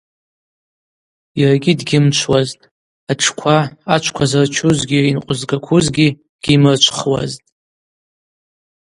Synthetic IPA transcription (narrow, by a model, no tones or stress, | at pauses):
jaraɡʲidɡʲɪmt͡ʃʷʰwaztʼ | aʈ͡ʂʰkʷʰaat͡ʃʷʰkʷʰazart͡ʃʰuzɡʲiinqʷʼʊzɡakʷʰuzɡʲi | ɡ̥ʲimɨrt͡ʃʷʰχwa̰ztʼ